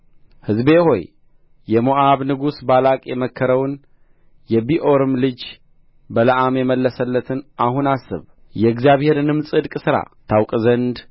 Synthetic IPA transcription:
hɨzbe̞ho̞j | jɛmoʔaβnɨɡusbalakʼjɛməkʰːəɾəwn | jɛbiʔo̞ɾɨmlɨd͡ʒ | bələʔamjɛməlːəsəlːət̪ʰɨnʔahunasːɨ̰β | jɛɨɡzijaβhe̞ɾnɨmsʼɨd̪kʼsɨɾa̰t̪ʰawkʼzənd̪

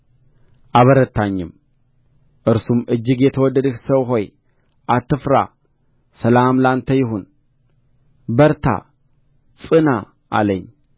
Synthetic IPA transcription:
ʔaβəɾət̪ʰːaɲːɪm | ʔɨɾsumʔɨd͡ʒːɨɡjɛt̪ʰəwɔd̪ːəd̪ɨhsəβɦo̞j | ʔat̪ʰːɨfɾa̰ | sɐlamlant̪ʰɐjɪɦun | bəɾt̪ʰa̰ | t͡sʼɨna | ʔa̰ləɲ

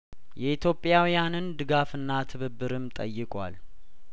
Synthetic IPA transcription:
jɛit̪ʰjo̞pʼːjawjanɨnd̪ɨɡafɨnːat̪ʰɨβɨbːɨɾɨmt̪ʼə̰jːɨkʼwa̰l

